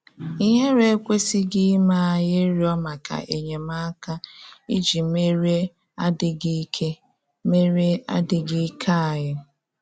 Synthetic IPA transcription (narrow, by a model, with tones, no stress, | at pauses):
i˦ɦe˦ɾe˦kʷe˦si˦ɡɪ˦ma˦˨jɪ˦ɾi˦ɔ˦ma˨ka̰˨ʔe˨ɲe˨ma˦ka˦i˦d͡ʒi˨˦me˦ɾe˦ | a˦dɪ˨ɡkʰe˦ | me˦ɾe˦a̰˦dɪ˨ɡɪ˦kʰa˦a˨ɦɪ˦